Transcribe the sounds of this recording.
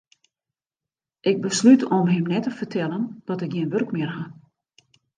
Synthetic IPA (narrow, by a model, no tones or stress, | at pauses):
ʔɪɡ̚bəslytɔmɦɪmnɛtəfərtʰɛlˠəndɔtɪk̚ɡjiənʋørkmɪərɦa